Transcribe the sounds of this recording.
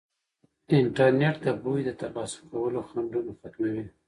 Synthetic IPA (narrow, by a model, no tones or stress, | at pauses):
ɪɳʈaɾneʈd̪əbujd̪ət̪alɑsʊ̥kawəloxaɳɖunofak̪mawi